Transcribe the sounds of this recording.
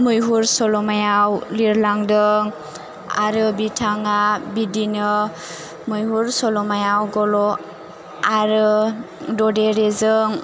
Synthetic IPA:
mɯjɦuɾsɔlɔmajawliɾlaŋdɯŋ | a̰ɾɯbitʰaŋabidinɯ | mɯjɦuɾsɔlɔmajawɡɔlɔ | aɾɯ | dɔdeɾezɯŋ

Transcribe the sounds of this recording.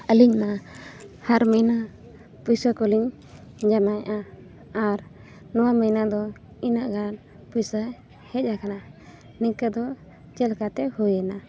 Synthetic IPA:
əliɲna | haɾmina | pujsəkɔliɲ | d͡ʒanajʔa | aɾ | nɔwaməjnad̪ɔ | inaʔɡan | pujsə | hɛt̪̚ˀakana | nikəd̪ɔ | t͡ʃɛlkat̪ɛhujəna

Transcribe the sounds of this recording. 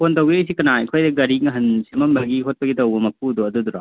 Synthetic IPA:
pʰontɐwɡiɐjsikɐnaikʰojdɐɡɐɾiŋɐɦɐnsemɐmbɐɡiɦot̚pɐɡitɐwbɐmɐp̚udoɐduduɾa̰

